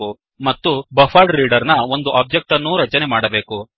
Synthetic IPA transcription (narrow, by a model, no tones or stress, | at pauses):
u | mɐt̪ːubɐfʰaːɖɾiːɖɐɾnɐo̞nd̪uʔaːb̚d͡ʒɐk̚ʈɐnːuːɾɐt͡ʃɐnemaːɽɐbe̞ːku